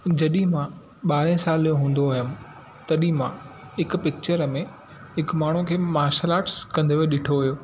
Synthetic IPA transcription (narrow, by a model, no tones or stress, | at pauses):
d͡ʑɐɗĩmã | ɓaːɾẽsaːlijõɦũːn̆d̪oəɦjəm̆ | t̪ɐɗĩmã | ɦɪk̆pɪk̚t͡ɕəɾmẽ | ɦɪkmaːɳ̤ũkʰeːmaːɾʃəlaːʈskɐ̃nd̪ʱoʋeɗɪʈʰoʋijoː